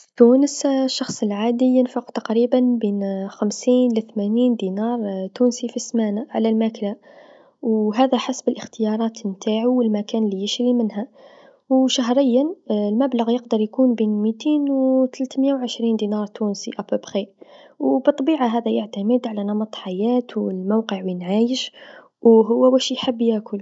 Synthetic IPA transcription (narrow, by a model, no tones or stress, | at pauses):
t̪uːnəsʃːɑxsˤəlʕaːd̪ijənfʊqt̪aqɾiːbanbiːnxamsiːnʔlæθmæniːnd̪inɑːɾˤt̪uːnsifismaːnaʕa̰lælmækla | wɦæðæħasbəlʔəxt̪ɪjɑɾˤɑːt̪mt̪aːʕuwəlmækæːnlːijɪʃɾimənɦæ | wʃaɦɾˤəjːalmæblaɣjəqd̪ɑɾˤjkuːnbiːnmit̪eːnwt̪lt̪məjawʕəʃɾiːnd̪inɑɾˤt̪uːnsiʔæpəbxiwbɨt̪ˤːbiːʕaɦæd̪æjəʕt̪aməd̪ʕalænɑmɑt̪ˤħajæːt̪wəlmawqəʕwjənʕaːjəʃ | wɦʊwːæwæʃjħəbːjakʊl